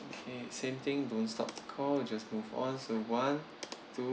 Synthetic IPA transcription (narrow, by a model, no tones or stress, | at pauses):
okʰesẽmt̪ɪ̃ŋdõntstɔ̰p̚tu̥kʰɔld͡ʒasmuvɔ̰̃nsowãn | tʰu